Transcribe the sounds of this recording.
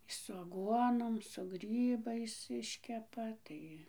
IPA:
sʊ ɐˈɡuɔnoːm sʊ ˈɡrʲiːbɐɪs ˈɪʃʲkʲɛpɐ ˈtɐɪ

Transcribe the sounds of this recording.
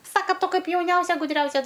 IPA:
ˈsɑːkɐ ˈtʊ ˈkɐɪp jɛʊˈnʲɛʊsʲɛ ɡʊˈdʲrʲɛʊsʲɛ

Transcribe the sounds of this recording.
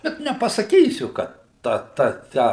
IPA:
ˈbʲɛt nʲɛpɐsɐˈkʲiːsʲʊ kɐ ˈtɐ ˈtɐ ˈtʲæː

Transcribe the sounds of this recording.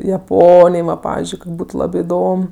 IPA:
jɛˈpoːnʲɪj ˈʋɐ ˈpɑːʋʲɪzʲd͡ʒʲʊɪ koːkʲ ˈbuːtʊ ˈlˠɑːbʲɪ ɪˈdoːm

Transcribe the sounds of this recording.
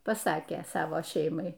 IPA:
pɐˈsɑːkʲeː ˈsɑːʋoː ˈʃʲɛɪmɐɪ

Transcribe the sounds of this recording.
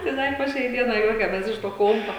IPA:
tɐɪ ˈdɐ ɪ poː ˈʃʲɛɪ ˈdʲiɛnɐɪ ˈjuɔkʲɛmʲɛs ˈɪʃ toː ˈkoːmpɐ

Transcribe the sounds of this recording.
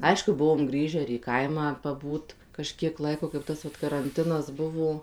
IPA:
ˈɐɪʃkʊ ˈbʊʋoːm ˈɡrʲiːʒʲæː ɪr iː ˈkɐɪmɑː pɐˈbuːt kɐˈʃʲkʲiɛk ˈlˠɐɪkoː kɐɪp ˈtɐs ʋɐt kɐrɐnʲˈtʲɪnɐs ˈbʊʋoː

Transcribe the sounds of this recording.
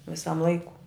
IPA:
ʋʲɪˈsɐm ˈlˠɐɪkʊ

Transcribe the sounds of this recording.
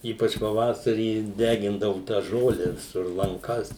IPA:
ˈiːpɐt͡ʃ pɐˈʋɑːsɐrʲiː ˈdʲæːɡʲɪndɐʋʊ tɑː ˈʒoːlʲɛ ʋʲɪˈsʊr lˠɐŋˈkɐs

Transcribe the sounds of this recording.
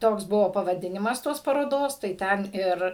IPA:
ˈtoːks ˈbʊʋoː pɐʋɐˈdʲɪnʲɪmɐs ˈtoːs pɐroːˈdoːs tɐɪ ˈtʲɛn ˈɪr

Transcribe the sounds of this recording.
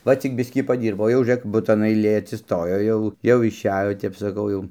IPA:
ˈʋɐ ˈt͡sʲɪk ˈbʲɪsʲkʲiː pɐˈdʲiːrboː jɛʊ ʒʲʊˈrʲeːk ˈbʊtɐn ɐɪˈlʲeː ɐtʲsʲɪsˈtoːjoː ˈjɛʊ jɛʊ ɪʃʲˈæːjoː tʲɛp sɐˈkɐʊ ˈjɛʊ

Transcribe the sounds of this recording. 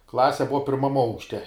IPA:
ˈklˠɑːsʲɛ ˈbʊʋɐ ˈpʲɪrmɐm ˈɐʊkʃʲtʲɛ

